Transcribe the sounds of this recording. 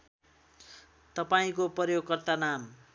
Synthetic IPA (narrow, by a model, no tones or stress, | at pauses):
t̪ʌpaĩkopʌrjoɡ̚kʌrt̪anam